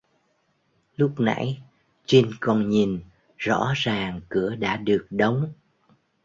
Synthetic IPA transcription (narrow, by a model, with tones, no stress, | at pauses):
lʊ˦˥k͡p̚na̰˧˥j | t͡ɕi˧nkɔ˧nɲi˨˩n | z̥ɔ̰˧˥zaː˨˩ŋkɨ˧˩əɗa̰ː˧˥ɗɨ˨˩ək̚ɗə˨˦wŋ͡m